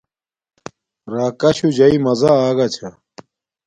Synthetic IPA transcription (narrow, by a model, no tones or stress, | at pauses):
ɾaːkɐɕud͡ʑɐimɐzaaːɡɐt͡ɕʰɐ